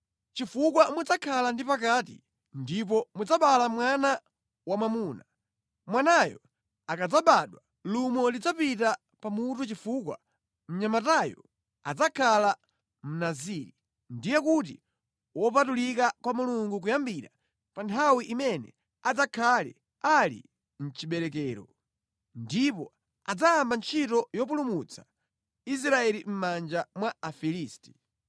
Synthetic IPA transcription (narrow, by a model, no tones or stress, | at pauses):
t͡ʃifuk̬wamud͡zakʰalandipakaːtḭ | ndip̬ɔmud͡zaɓalamwana | wamamuːna | mwanajɔ̰ | akad͡zaɓaɗwa | lumɔlid͡zapita | pamutut͡ʃifukwa̰ | m̩ɲamatajɔ̰ | a̰d͡zakʰala | m̩naziɾi | ndijɛkut̬i | wɔp̬atulikakwamuluŋɡuk̬ujambiɾa | pantʰawiʔimɛnɛ̰ | ad͡zakʰalɛ̰ | alḭ | n̩t͡ʃiɓɛɾɛk̬ɛːɾɔ̰ | ndipɔ | ad͡zaambant͡ʃʰitɔjɔp̬ulumut͡sʰḁ | is̬ɾaɛlim̩mand͡ʒamwaafiliːsti̥